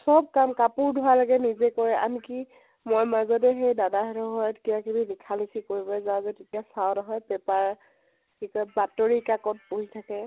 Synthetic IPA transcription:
sɔb̚kamkapʊɹdʱʊwalaɡɛnizɛkɔɹɛʔa̰nki | mojmazɔt̬ɛɦejdadaɦɛɾɔɦɔjɔtkijakibilikʰalisikoɹibɔɛzaʊ̃zɛtetijasawnɔɦɔjpɛpaɹ | kikɔbatoɹikakɔt̚poɦitʰakɛ

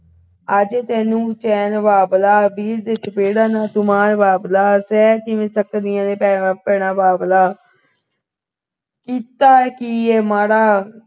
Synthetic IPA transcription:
əd͡ʒeːt̪ɛːnũːt͡ʃɛːnbaːblaːbiːɾd̪et͡ʃəpeːɽaːnaːt̪ʊmaːɾbaːblaːsɛːkɪʋẽːsəkd̪ɪjãːnepɛpɛːɳaːbaːblaː | kiːt̪aːkiːɛːmaːɾaː

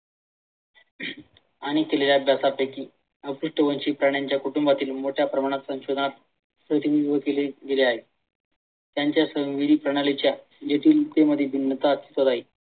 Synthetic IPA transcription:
aɽ̃ikeleljabʱjasapekiː | əuʂʈəʋənt͡ɕiːpɾaɽjaɲt͡ɕjakuʈumbat̪iːlmoʈʰjapɾəmaɽ̃at̪sə̃ŋɕod̪ʱnaɾ | səɾiniuʋəkeleɡeleaɦe | t̪jaɲt͡ɕjasə̃ʋʋid̪ʱiːpɾəɽ̃alit͡ɕja | d͡ʑeʈ̪iːlt̪eməd̪ʱːjebʱinːət̪aət̪i̥t̪ot̪aɦe

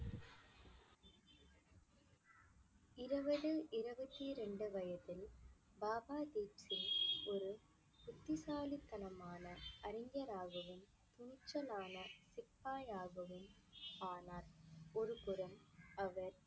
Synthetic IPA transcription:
ɪɾɐʋɐðɯʔɪɾɐbɐt̪ːiɾɛɳɖɯʋɐjɐt̪ːɪl | baːbaːd̪iːpsɪnɔɾɯ | pʊt̪ːɪsaːlit̪ːɐnɐmaːnɐʔɐɾɪŋɡɐɾaːɣɯʋɪn | t̪ʊnɪt͡ʃːɐlaːnɐsɪpːaːjaːɣɯʋɯn | aːnaːɾɔɾɯkʊɾɐmɐʋɐɾ

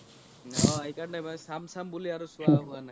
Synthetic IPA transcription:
ɔaɦikannajmasamsambuliaɹusʊaɦʊana

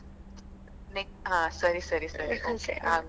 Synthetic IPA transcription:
nek̚ɦãsəɾisəɾisəɾiokeã

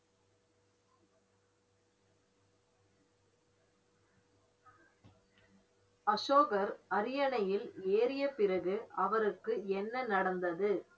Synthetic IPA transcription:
ɐʂoːɣɐɾɐɾɪjɐɳɐjɪleːɾɪjɐpɪrɐɣɯʔɐʋɐɾɯkːɯɛnːɐnɐɽɐnd̪ɐðɯ

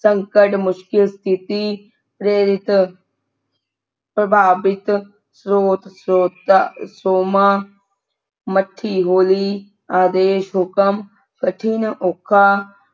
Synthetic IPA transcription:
sɐŋkəʈmʊʃkɪlst̪ʰit̪i | pɾeːɾɪt̪ | pɾɐbʱaːbɪt̪ | sɾoːt̪soːt̪soːmaː | mɐʈʰːiːɦoːli | aːd̪eːʃɦʊkəm | kəʈʰinʔokʰːaː

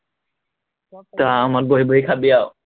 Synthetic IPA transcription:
t̪aamaɾboɦiboɦikʰabijao

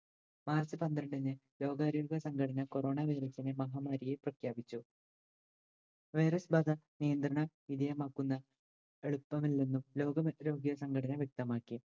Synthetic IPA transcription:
maːrsɨpɐnd̪ɾɐɳɖinːɨlo̞ːɡaːɾoːɡɐsɐŋɡɐɽɐnɐkoro̞ːɳaʋejɾɐsːinemɐɦaːmaːɾijeprɐkʰjaːbit͡ɕːu | ʋejɾɐsbɐːd̪ɐnijɐnd̪rɐɳɐ | id̪ɐjɐmaːkːunːɐ | eɭupːɐmilːenːumlo̞ːɡɐmɾo̞ːɡjɐsɐŋɡɐʈʰɐnɐʋjek̚t̪ɐmaːkːi

